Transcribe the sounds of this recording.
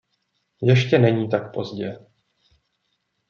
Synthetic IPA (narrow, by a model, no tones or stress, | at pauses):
jɛʃcɛnɛɲiːt̪ak̚po̞zɟɛ